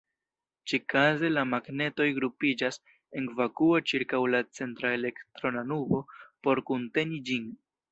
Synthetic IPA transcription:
t͡ʃikaze̞lamaɡne̞to̞jɡɾupid͡ʒas | e̞nɡvakuot͡ʃiɾkawlat͡se̞ntɾaele̞ktɾo̞nanubo̞po̞ɾkunte̞nid͡ʒin

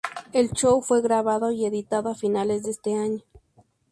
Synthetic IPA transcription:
elt͡ʃowfweɣɾaβaðoieðit̪aðoafinalezd̪eest̪eaɲo

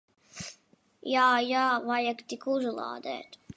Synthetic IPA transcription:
jaːjaːvajakt̪ikuzulˠɑ̰ːd̪ɛ̰ːt̪

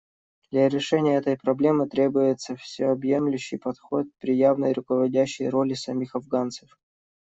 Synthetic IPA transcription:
d̪̥lʲɐɾʲɪʂɛnʲɪjəɛt̪əjpɾɐblʲe̞mɨt̪ɾʲe̞bʊjɪt̪səfsʲɪɐbje̞mlʲʉɕːɪjpɐt̪xo̞t̪̚pɾʲɪjavnəjɾʊkəvɐdʲæɕːɪ̰jɾolʲɪsɐmʲixɐvɡant̪sə̥f

